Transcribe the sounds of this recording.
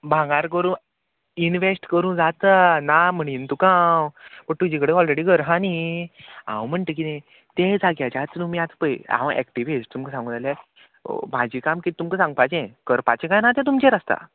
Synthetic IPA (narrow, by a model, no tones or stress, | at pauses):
bʱãŋɡaɾk̬əɾũː | inʋesʈkəɾũːd͡zat̪ənam̤əɽ̃int̪ukãwpəʈ̚t̪ud͡ʑikəɽeɔlɾeɽiɡəɾɦãni | ã̰wm̤əɳʈək̬inẽ | t̪ed͡zaɡjat͡ɕat͡s̪nũmijat͡spəjã̰ʋəʔɛ̰kʈiʋisʈt̪umkəsãŋɡũːd͡zalja̰ | mad͡ʑikamkit̪umkəsãŋɡ̚pajt͡ɕɛ̃kəɾpat͡ɕẽkãjnat̪̬ɛ̃t̪umt͡ɕeɾəst̪a̰